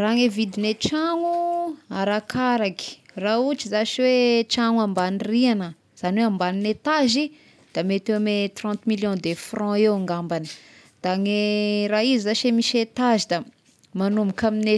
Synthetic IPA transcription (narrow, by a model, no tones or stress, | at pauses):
raŋevid̪inet͡ʃaŋuaɾakaɾaki̥raut͡ʃizaʃiwet͡ʃaŋwãmbanirianə | z̥aniweãmbaninet̪azi | d̪̥amet̪emet̪rɑ̃nt̪miljɔ̃d̪efrɔ̃ewaŋɡambanə̥ | d̪̥aŋeraizizaʃemiʃet̪azid̪a | manumikamine